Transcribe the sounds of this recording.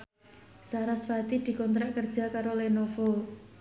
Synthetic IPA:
saɾasfat̪id̪̥i̤kɔnt̪ɾaʔkərd̥ʒ̥a̤kaɾolenofo

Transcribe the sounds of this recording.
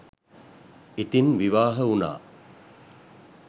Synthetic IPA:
it̪inʋiʋaːɦəuna̰ː

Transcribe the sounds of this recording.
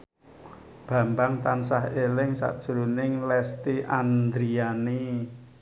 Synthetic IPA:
b̥ä̤mbaŋt̪ansahelɪŋsa̰ʔd̥ʒ̥ɾunɪŋlɛst̪iʔand̪ɾiani

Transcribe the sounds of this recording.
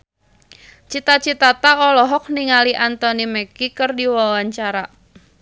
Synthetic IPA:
t͡ʃit̪at͡ʃit̪at̪aɔlɔɦɔk̚niŋaliʔant̪ɔnimɛkikərdiwawaɲt͡ʃaɾa

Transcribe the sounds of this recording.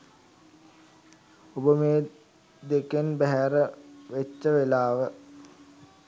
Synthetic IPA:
obəmeː | d̪ekenbæɦæɾəʋet͡ʃːəʋelaːʋə

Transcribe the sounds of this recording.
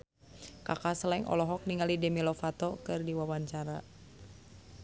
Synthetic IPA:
kakasəlaŋʔɔ̰lɔɦɔk̚niŋalidɛmilɔfat̪ɔkɨrdiwawaɲt͡ʃaɾa

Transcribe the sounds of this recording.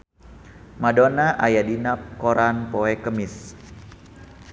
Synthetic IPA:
madonaʔajadinap̚koɾanpoɛkəmɪs

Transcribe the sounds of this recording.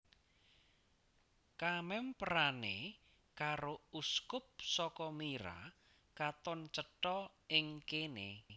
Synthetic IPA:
kamɛmpəɾane | kaɾouskʊp̚sɔkɔmiɾa̰ | kat̪ɔnt͡ʃəʈɔɪŋkenḛ

